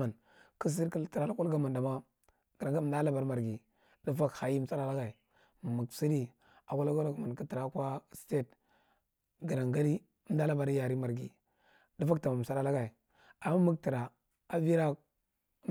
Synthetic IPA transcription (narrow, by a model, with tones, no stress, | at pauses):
a˨n | ki˦s̬i˦ɾi˦ti˨ɾa˨˦la˦kʷu˦lɡa˦ma˨nda˨ma˦ | ɡ̥ə˨ɾŋɡa˦m˦da˦la˦ba˨ɾma˨ɾɡi˨ | di˦fa˦kha˨ji˦m̩˨sa˦ɾa˦la˦ɡa˨i˨ | mu˨ɡsi˦ɾi˦ | a˨kʷu˦la˦ɡa˦lɡma˨kə˦ti˨ɾa˨˦kʷa˦ste˦t | ɡi˨ɾa˨ŋɡa˦li˦ | da˦la˦ba˨ɾja˨ɾi˦ma˨ɾɡḭ˨ | di˦fa˦k̚ta˨ma˨m̩˨sa˦ɾa˦la˦ɡa˨i˨ | a˨mːa˦mu˦kti˨ɾa˨ | a˦vi˦ɾa˦